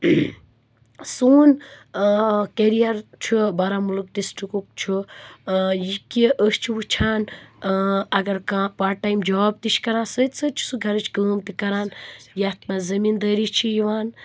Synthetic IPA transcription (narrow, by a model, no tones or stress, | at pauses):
suːn | keɾijɐɾt͡ʃʰubɐɾaːmuluk̚ɖisʈɾikuk̚t͡ʃʰu | jikiʔəːst͡ʃʰiwut͡ʃʰaːn | ɐɡɐɾkãːpaːʈaːjmd͡ʒaaːb̚t̪it͡ʃʰkɐɾãːsəːt̪ʲsəːt̪̚t͡ʃʰu̥suɡʱɐɾɨt͡ʃʰɡəːmt̪ikɐɾãːnjat̪maːzɐmiːnd̪əːɾit͡ʃʰijiʋaːn